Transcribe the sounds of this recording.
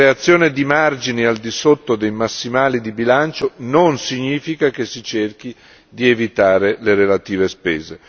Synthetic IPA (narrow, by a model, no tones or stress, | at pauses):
eat̪sːjoːned̪imard͡ʒiniald̪isot̪ːod̪ejmasːimaːlid̪ibilant͡ʃononsiɲːiːfikakesit͡ʃerk̟i | d̪ievit̪aːɾeleɾelat̪iːvespɛːze